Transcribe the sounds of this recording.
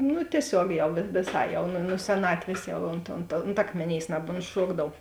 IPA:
nʊ tʲiɛˈsʲoːk ˈjɛʊ ʋʲɪˈsɐɪ jɛʊ ˈnʊ nʊ sʲɛˈnɑːtʲʋʲeːs ˈjɛʊ oːnt oːnt oːnt ˈɑːkmʲeːˌnʲeːɪs nɐboːntˈʃuɔɡdɐw

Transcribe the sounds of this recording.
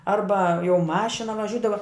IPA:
ˈɐrbɐ jɛʊ ˈmɑːʃʲɪnɐ ʋɐˈʒʲuːdɐʋɐ

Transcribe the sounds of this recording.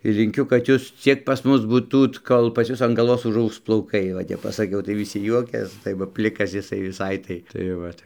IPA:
lʲɪŋʲˈkʲʊ kɐt ˈjuːs ˈt͡sʲiɛk pɐs ˈmʊs buːˈtuːt ˈkoːlˠ pɐs ˈjʊs ɐn ɡɐlˠˈʋoːs ʊʒˈɐʊks plˠɐʊˈkɐɪ ʋɐ ˈtʲɛp pɐsɐˈkʲɛʊ tɐɪ ʋʲɪˈsʲɪ ˈjuɔkʲɛs tɐɪ ˈʋɐ ˈpʲlʲɪkɐs jɪˈsɐɪ ʋʲɪˈsɐɪ tɐɪ tɐɪ ˈʋɐt

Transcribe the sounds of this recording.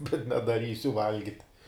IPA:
bʲɛt nʲɛdɐˈrʲiːsʲʊ ˈʋɐlʲɡʲɪtʲ

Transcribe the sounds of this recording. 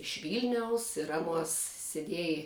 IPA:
ɪʃ ˈʋʲiːlʲnʲɛʊs ɪr ˈɑːˌnuɔs sʲɛˈdʲiɛj

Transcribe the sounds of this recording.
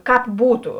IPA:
ˈkɑːp ˈbuːtʊ

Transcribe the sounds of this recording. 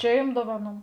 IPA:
ˈt͡ʃʲɛ jʊm ˈdoːʋɐˌnuː

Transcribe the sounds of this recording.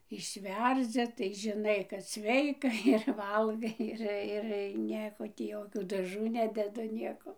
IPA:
ɪʃʲˈʋʲɛrʲd͡zʲɪ tɐɪ ʒʲɪˈnɐɪ kɐt ˈsʲʋʲɛɪkɐ ɪr ˈʋɐlˠɡɐɪ ˈɪr ɪr ˈnʲiɛkoː tʲiː ˈjoːkʲuː dɐˈʒuː ˈnʲæːdʲɛdʊ ˈnʲiɛkoː

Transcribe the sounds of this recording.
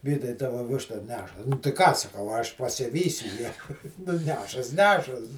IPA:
ˈʋʲiːtɐɪ ˈtɑːʋɐ ˈʋʲɪʃtɐ ˈnʲæːʃɐ tɐɪ ˈkɑː sɐˈkɐʊ ɐ ˈɐʃ pɐsʲɪˈʋʲiːsʲʊ jæː nʊ ˈnʲæːʃɐs ˈnʲæːʃɐs

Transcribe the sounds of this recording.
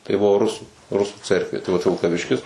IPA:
tɐɪ ˈbʊʋoː ˈrʊsuː ˈrʊsuː ˈt͡sʲɛrkʋʲeː tɐɪ ʋɐt ʋʲɪlˠkɐˈʋʲɪʃʲkʲɪs

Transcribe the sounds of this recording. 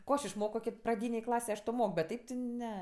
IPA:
ˈkoː ɐʃ ɪʃˈmoːkoː prɐˈdʲiːnʲeːj ˈklˠɑːsʲeːj ˈɐʃ ˈtoː ˈmoːk bʲɛt ˈtʲɛɪp tʲɪ ˈnʲɛ

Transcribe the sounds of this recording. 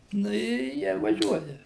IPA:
ˈnʊ ɪ ˈjiɛ ɪr ʋɐˈʒʲuɔjɛ

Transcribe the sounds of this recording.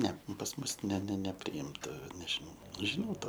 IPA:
ˈnʲɛ pɐs ˈmʊs nʲɛ nʲɛ nʲɛpʲrʲɪˈɪmtɐ nʲɛʒʲɪˈnɐʊ ʒʲɪˈnɐʊ ˈtɑː

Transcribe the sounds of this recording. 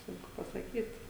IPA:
ˈsʊŋkʊ pɐsɐˈkʲiːt

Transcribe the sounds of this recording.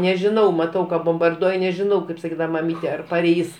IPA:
nʲɛʒʲɪˈnɐʊ mɐˈtɐʊ kɐ boːmbɐrduɔj nʲɛʒʲɪˈnɐʊ kɐɪp sɐˈkʲiːdɐʋɐ mɐˈmʲiːtʲɛ ɐr pɐˈrʲɛɪs

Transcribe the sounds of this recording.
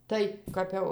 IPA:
ˈtɐɪ kɐp ˈjɛʊ

